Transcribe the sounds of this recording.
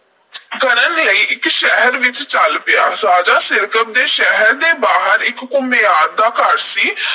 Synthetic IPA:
kəɾənləiːʔɪkʃɛɦəɾʋɪt͡ʃt͡ʃəlpɪjaːɾaːd͡ʒaːsɪɾkəb̚d̪eːʃɛɦəɾd̪eːbaːɦəɾɪkːʊmeːaːd̪d̪aːkəɾsiː

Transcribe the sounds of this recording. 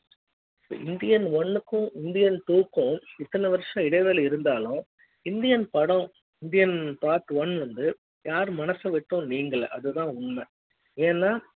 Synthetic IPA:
pːo̰ʔɪnd̪ɪjɐnʋɔnːɯkːʊ̃ʔɪnd̪ɪjɐnt̪uːkːʊ̃ɪt̪ːɐnɐʋɐɾʂɐ̃ɪɽɐʋeːlɐɪɾɯnd̪aːlʊ̃ | ɪnd̪ɪjɐnpɐɽɐ̃ | ɪnd̪ɪjɐnpaːɾt̪ɯʋɔnʋɐnd̪ɯ | jaːɾmɐnɐsɐʋɪʈːʊ̃niːŋɡɐɭʔɐ̰ðɯt̪ãːʊnːɐ | eːnːaː

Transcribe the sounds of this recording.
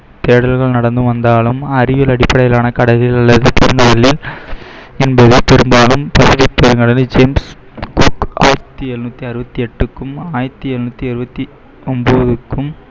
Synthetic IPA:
t̪eːɽɐlɣɐɭnɐɽɐnd̪ɯʋɐnd̪aːlɯmɐrɪʋɪlɐɽɪpːɐɽɐjɪlaːnɐkɐɽɐlɪlɐlːɐðɯpɛɾɯŋɡɐɭɐlɪl | ɛnbɐðɯpɛɾɯmbaːlɯmpɐsɪfɪk̚pɛɾɯŋɡɐɭɐld͡ʒeːms | kuka̰ːjɪɾɐt̪ːɯɛɾnuːt̪ːiɐɾɯbɐt̪ːiɛʈːɯkːɯmaːjɪɾɐt̪ːɯɛɾnuːt̪ːiɐɾɯbɐt̪ːi | ɔmboːðɯkːɯm

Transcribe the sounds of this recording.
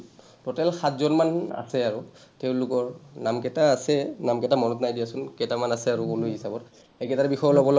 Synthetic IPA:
tɔtɛlxatzɔnmana̰sɛaɹuteʊ̃lʊkɔɹnamkɛtaːsɛnamkɛtamɔnɔtnajdijasʊnkɛtamanasɛaɹuulujɦisabɔt | ɛkɛtabixɔjɔlɔbɔl

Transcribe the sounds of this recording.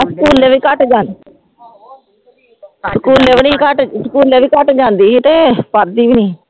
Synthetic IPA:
səkuːlːeːʋiːkəʈd͡ʒãːd̪ | səkuːlːeːʋniːkəʈsəkuːlːɛːʋiːkəʈd͡ʒãːnd̪iːt̪eːpəɾd̪iːbiniː

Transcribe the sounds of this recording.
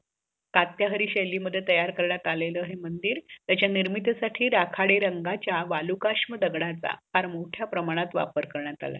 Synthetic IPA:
kat̪jaɦəɾiːɕeliməd̪ʱːjet̪əjaɾkəɾɳjat̪aleləːɦemənd̪iːɾt̪jat͡ɕjaniɾmit̪saʈʰiːɾakʰaɽeɾəŋɡat͡ɕjaʋalukaʂməd̪əɡɽat͡sa̰haɾmoʈʰjapɾəmaɽ̃at̪ʋa̰pəɾkəɾɳjat̪a̰la̰

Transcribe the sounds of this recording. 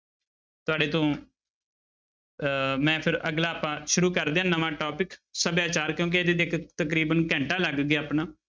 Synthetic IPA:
t̪ʊaːɖeːt̪õː | mɛ̃ːpʰɪɾəɡlaːpãːʃʊɾuːkəɾd̪eːɦãːnəʋãːʈɔːpɪksəbjaːt͡ʃaːɾkjõːk̬ied̪eːd̪ekʰt̪əkɾiːbənkɛ̃ːɳʈaːləɡɡeaːpnaː

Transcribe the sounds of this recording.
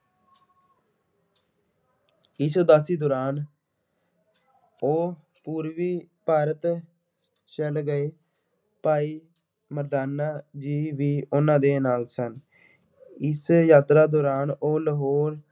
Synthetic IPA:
iːsoːd̪asiːd̪oːɾaːn | oː | puːɾʋiːpaːɾət̪ | t͡ʃəlɡəeː | paːiː | məɾd̪aːnaːd͡ʒiːʋiːʔʊnãːd̪eːnaːlsən | ɪsjaːt̪ɾaːd̪oːɾaːnoːləɦoːɾ

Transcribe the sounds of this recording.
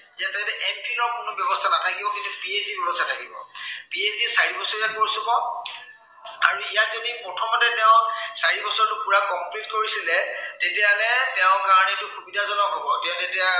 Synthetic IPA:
ijatatɛʔɛmpinɔɹkʊnɔbjɔbɔstʰanatʰakibɔkĩntʊpiesdibɔnɔstʰatʰakibɔ̰piesdisaɹibɔsɔɹiakoɹisubɔ | a̰ɹuijatzodipɹɔtʰɔmɔtɛtɛʊ̃saɹibɔsɔɹtʊpuɹakɔmplitkoɹisilɛtetɛalɛtɛʊ̃kaɹɔnɛtʊxubidazɔnɔɦobɔtɛʊ̃tɛtɛa

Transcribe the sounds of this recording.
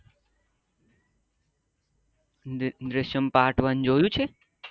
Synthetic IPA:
d̪ɾɪʃəmpaːʈʰʋənd͡ʒojũt͡ʃʰe

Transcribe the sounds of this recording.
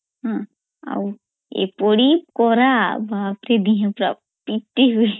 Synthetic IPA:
ɦã | a̰w | ḛpɔɽip̚kɔɾabapɾed̪iɦãpɾa̰ | piʈ̪eɦue

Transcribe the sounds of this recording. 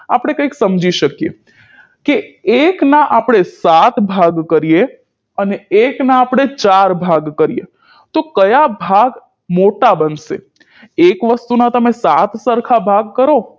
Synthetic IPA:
a̰pɽ̃ekə̃iksəmd͡ʒiʃəkijḛ | keeknaʔapɽ̃esat̪bʱaɡkəɾije | əneeknaːpɽ̃et͡ʃaɾbʱaɡkəɾije | t̪okəjabʱaɡ | moʈabənʃḛ | ekʋəst̪unat̪əmesat̪səɾkʰabʱaɡkəɾo

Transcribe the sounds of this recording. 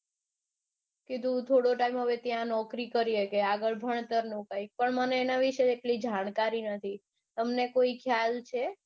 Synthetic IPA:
kid̪ũt̪ʰoɽoʈaimɦəʋet̪jãnɔkɾikəɾijekeaɡəɭbʱəɳ̃t̪əɾnũkaik̚pəɳməneːnaʋiʃeeʈlid͡ʒaɽ̃kaɾinət̪ʰi | t̪əmnekoikʰjalt͡ʃʰe

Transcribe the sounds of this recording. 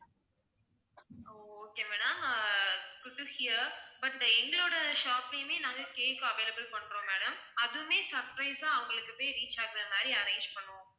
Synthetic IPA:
oːoːkeːmæːɽɐm | ɡʊʈːuhɪjɐbɐʈɛŋɡɐɭoːɽɐʃaːplɐjɯmeːnãːŋɡɐkeːkːɯɐʋeːlɐbɪlpɐɳːɾõːmeːɽɐmɐðɯmeːsɐɾpɾɐɪsãːɐʋɐŋɡɐɭɯkːɯpːeːɾiːt͡ʃːaːkɪɾɐmaːɾiɐɾeɪd͡ʒpɐɳːõː

